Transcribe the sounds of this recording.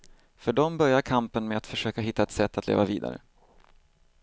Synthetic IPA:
fœɖɔmbœɾjaɾkʰampənmeat̪fœʂøːkaɦɪt̪ːaɛt̪sɛt̪ːat̪lḛːvavḭːd̪a̰ɾə̰

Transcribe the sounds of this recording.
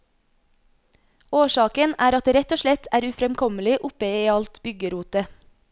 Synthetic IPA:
oːʃɑːkənæːɾɑt̪̚eːɾɛt̪oːʃlɛt̪ʰæːɾʉfɾɛmkʰɔməlɪʔʊpəiːɑlt̪bʏɡəɾuːt̪ə

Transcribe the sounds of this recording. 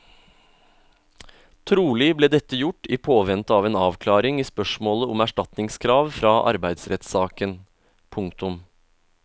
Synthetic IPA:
t̪ʰɾuːlɪbleːd̪ɛt̪əjʊʈːiːpʰoːʋɛnt̪əɑːʋeːnɑːʋkʰlɑːɾɪŋiːspœʂmoːləʊmæʂʈɑt̪nɪŋskʰɾɑːʋfɾɑːʔɑ̰ɾbæɪd̪sɾɛt̪sɑːkən | pʰʊŋkt̪ʊm

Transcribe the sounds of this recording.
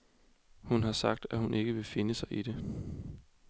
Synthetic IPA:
hunɦɑ̈sɑ̈ɡ̥̚d̥æhunʔe̝ɡ̥əʋe̝fe̝nəsɑ̈ɪʔid̥e̝

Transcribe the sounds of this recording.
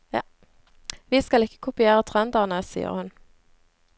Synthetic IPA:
ʋiːskɑlɪkə̥kʰʊpɪeːʁət̪ʰʁɛnd̪ɑːʁnəsḭːə̰ʁhʉn

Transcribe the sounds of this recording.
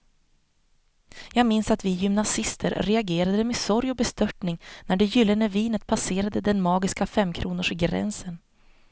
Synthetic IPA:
jɑːɡmɪnsat̪vɪjʏmnasɪst̪ʰə̰ɾɾɛaɡeːɾad̪d̪əmɛsɔɾjɔbɛst̪œʈɳɪŋnæɖɛjʏlːənəviːnət̪̚pʰaseːɾad̪əd̪ɛnmɑːɡɪskafɛmːkʰɾuːnʊʂɡɾɛ̰nsən

